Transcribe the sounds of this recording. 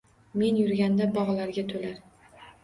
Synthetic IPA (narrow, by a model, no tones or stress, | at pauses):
me̞njʊɾɡʲand̪abɒʁlaɾɡʲat̪ʰolaɾ